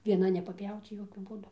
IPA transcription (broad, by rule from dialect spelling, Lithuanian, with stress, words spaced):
ʋʲiɛˈnɐ nʲɛpɐˈpʲjɛʊt͡s ˈjoːkʲʊ ˈbuːdʊ